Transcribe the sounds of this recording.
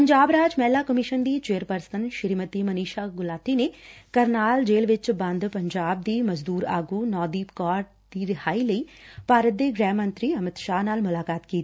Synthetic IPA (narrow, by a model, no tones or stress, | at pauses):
pəɲd͡ʒaːbɾaːd͡ʒmɛːlaːkəmɪʃənd̪iːt͡ʃeːəɾpəɾsənʃɪɾiːmət̪iːməniːʃaːɡʊlaːt̪inekəɾnaːld͡ʒeːlʋɪt͡ʃbɐ̃nd̪pəɲd͡ʒaːb̚d̪iːməzd̪uːɾa̰ːɡuːnɔːd̪iːpkaːɾʈ | d̪̥iːɾɪɦaːiləiːpaːɾət̪̚d̪eːɡɾɛːmːə̃nt̪ɾiːɐmɪt̪ʃaːnaːlmʊlaːkaːt̪kiːt̪i